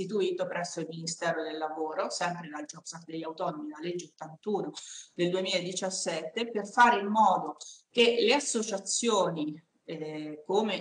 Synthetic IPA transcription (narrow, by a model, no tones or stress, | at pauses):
it̪̬uiːt̪opɾɛsːoilminist̪ɛːɾod̪elːavoːɾosɛmpɾed̪ald͡ʒɔksat̪d̪eʎːawt̪ɔnomid̪alːed͡ʒːot̪ːant̪uːnod̪̥eld̪uemiːlaed̪ːit͡ʃasːɛt̪ːeperfaːɾeimːɔːd̪ok̟eleasːot͡ʃat̪sːjoːni | kome